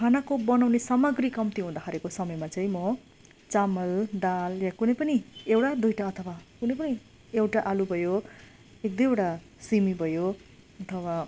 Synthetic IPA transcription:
kʰanakobʌnawnesamʌɡrikʌmt̪iɦũd̪akʰaɾekosʌmʌjmat͡saĩmʌ | t͡samʌld̪aljakunʌjpʌniewʈad̪ujʈaʌt̪ʰʌwakunʌjp̬ʌni | ewʈaʔalubʱʌjo | ek̚d̪ʌjewʈa | simibʱʌjo | ʌt̪ʰʌwa

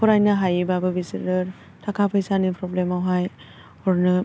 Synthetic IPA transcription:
pʰɔɾajnaɦajibabɯbisiɾɯɾ | tʰakʰapʰɯjsanipʰɾɔblemawɦaj | ɔɾnɯ

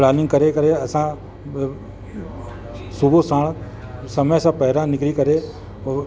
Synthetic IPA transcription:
plaːnɪ̃ŋɡkɐɾekɐɾeɐsã | sʊbʱosãːɳ̃ | sɐməjsãpɐɦɪɾãnɪkɾikɐɾe

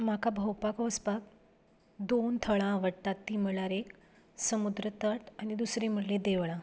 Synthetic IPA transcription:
m̤akabʱəwpakʋəspak | d̪ont̪ʰəɭãʋəʈat̪ːiːm̤əɭaɾek | səmud̪ɾət̪əʈ̪anid̪usɾim̤əɽlẽd̪eʋɭã

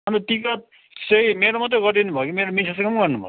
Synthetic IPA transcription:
ʌnet̪ika | t͡sʌĩmeɾomʌt̪ʌɡʌɾʈinubʱʌkimeɾomisʰʌsʌkʌmɡʌrnubʱʌ̰

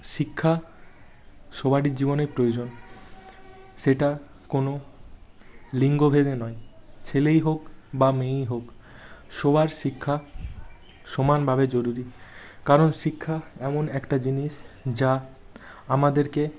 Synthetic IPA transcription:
ʃikʰːa | ʃobaɽiɾd͡ʑiboneɾpɾojod͡ʑon | ʃeʈa | kono | liŋɡobʱed̪enɔet͡ɕʰelejɦokbamejɦokʃobaɾʃikʰːa | ʃomanbʱaβed͡ʑoɾuɾi | kaɾonʃikʰːaɛmonɛkʈad͡ʑiniʃd͡ʑa | amad̪eɾke

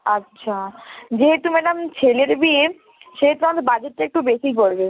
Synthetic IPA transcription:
atːɕʰad͡ʑeɦet̪umenamt͡ɕʰeleɾbie | ʃeɦet̪uɾat̪bad͡ʑeʈːeek̚ʈubesipoɽbe

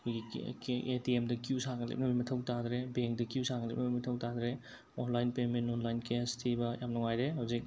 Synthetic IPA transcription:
kʰoɡietiemdɐkusaɡɐlḛp̚nɐbimɐtʰɐwtad̪ɾebeŋk̚dɐkjusaɡɐlḛp̚nɐbimɐtʰɐwtad̪ɾe | onlajnpementonlajnkestʰibɐjamnɐŋajdeɦawzik̚

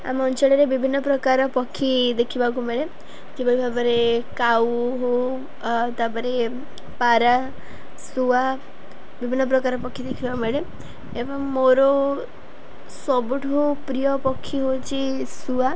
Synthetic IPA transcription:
a̰mɔnt͡ʃɔɽɔɾebibʱinːɔpɾɔkaɾɔpɔkʰːid̪ekʰibak̬umeɭe | d͡ʒebɔɽibʱabɔɾekawɦo | t̪abɔɾe | paɾa | sua | bibʱinːɔp̬ɾɔkaɾɔpɔkʰːid̪ekʰibakumeɭe | ebɔŋmoɾɔ | sɔbuʈʰɦopɾijɔpɔkʰːiɦot͡ʃʰisua

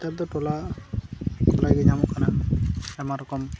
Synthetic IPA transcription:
t̪ad̪ɔtɔla | kɔlaɡid͡ʒʱamukanaamaɾɔkɔm

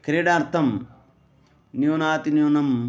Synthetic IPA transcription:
kɾeːɖãːɾt̪ʰɐm | nijoːnaːt̪injoːnɐm

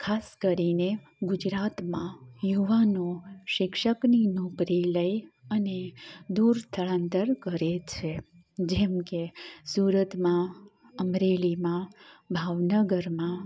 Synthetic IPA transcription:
kʰaskəɾine | ɡʊd͡ʒɾat̪mãjuʋanõʃɪkʃəkninokɾiləjəned̪uɾst̪ʰəɭãnt̪əɾkəɾet͡ʃʰe | d͡ʒɛmkesuɾət̪mã | əmɾelimãbʱaʋnəɡəɾmã

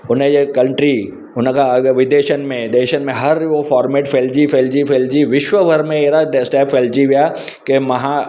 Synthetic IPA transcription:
ʊnəd͡ʑekɐ̃ɳʈɾi | ʊnəkʰãʋɪd̪eːʃənmẽd̪eːʃənmẽɦɐɾofɔːɾmeːʈfʰeːld͡ʑifeːld͡ʑifʰeːld͡ʑiʋɪʃʋəbʱɐɾmẽeɦɾasʈɛːpːeːld͡ʑiʋijaː | kemɐɦã

